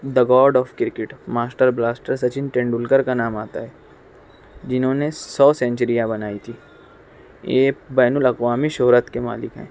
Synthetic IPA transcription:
d̪ɐɡɔːɾɖɔːfkɪɾkɪʈmaːsʈəɾblaːsʈəɾsɐt͡ʃɪnʈẽːɳɖʊlkəɾkanaːmaːt̪aɦɛː | d͡ʒɪnɦõːnesɔːsɛ̃ːɲt͡ʃəɾijãbɐnaːit̪ʰiː | eːbɛːnʊlɐkʋaːmiʃoɦɾət̪kema̰ːlɪkɦɛ̰̃ː

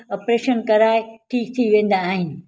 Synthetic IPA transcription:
ɐpɾeːʃənkɐɾaːeʈʰiːk̚t̪ʰiʋẽːn̆d̪aːɦɪnɪ̆

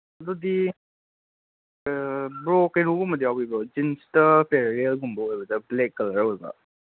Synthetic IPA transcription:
ɐd̪udi | bɾokːenuɡumɐdiawbibɔd͡ʒinstɐpeɾɾelɡumbɐojbɐdɐblekːɐlɐɾɐwoɡɐ̰

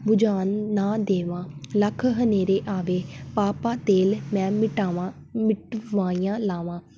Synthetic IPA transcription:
bʊd͡ʒaːnːãːd̪eːʋãːləkʰɦəneːɾeːʔaːʋeːpaːpãːt̪eːlmɛ̃ːmɪʈaːʋa | mɪʈʋaːiːjãːlaːʋãː

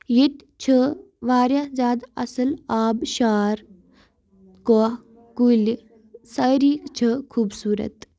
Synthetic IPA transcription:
jiʈ̪ | t͡ʃʰə | ʋaːɾjaːzʲaːd̪ɐ̰sɐlaːbʃaːɾ | ko | kul | sɐjɾiːkt͡ʃʰəkʰuːbsuːɾɐ̰t̪

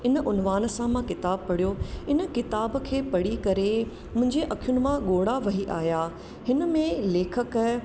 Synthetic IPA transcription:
ɪnəʔʊnʋaːnəsãmãkɪt̪aːb̚pɐɽ̤ijoɪnə̆kɪt̪aːb̆kʰeːpɐɽikɐɾe | mʊ̃ɦɪ̃ɲd͡ʑeʔɐkʰijʊnɪ̆mãɠoːɽaʋɐɦiʔaːɦjaː | hɪnə̆mẽleːkʰək

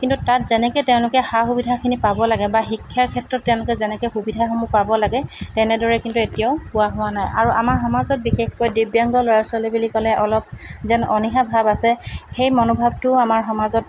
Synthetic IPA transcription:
kintutatzɛnɛketɛʊ̃lʊkɛxaxubidʱakʰinipabɔlaɡɛbaxikʰːjaɹkʰɛtɹɔtːɛʊ̃lʊkɛzɛnɛkɛxubidʱaxomupabɔlaɡɛtɛnɛdɔɹɛkintuetijaʊpʊwaɦʊwanajaɹuʔamaɹxɔmazɔt̚bixexkɔjdibjaŋɡɔlɔɹasalibilikɔlɛʔɔlɔp̚zɛnɔnixabʱabasɛxejmɔnobʱab̚tʊamaɹxɔmazɔt

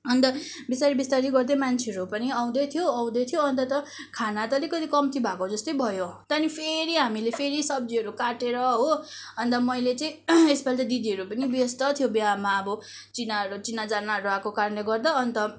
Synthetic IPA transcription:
ʌnt̪ʌ | bisaɾibist̪aɾiɡʌrd̪emant͡sʰeʌɾupʌniaw̃d̪ʌt̪ʰijoaw̃d̪ʌt̪ʰijoʌnt̪ʌt̪ʌkʰanat̪ʌlekʌt̪ikʌmt̪ʰibʱakod͡zʌst̪ʌjbʱʌjot̪ʌnipʰeɾiɦamilepʰeɾisʌbd͡ziɦʌɾukaʈeɾʌɦoʌnt̪ʌmʌjlet͡sʌĩesbald̪ʌd̪id̪iɦʌɾupʌnibjʌst̪ʌt̪ʰijobiɦamaʌbʌ | t͡sinaɾut͡sinːad͡zanaɾuakokaɾʌnleɡʌrd̪ʌʌnt̪ʌ

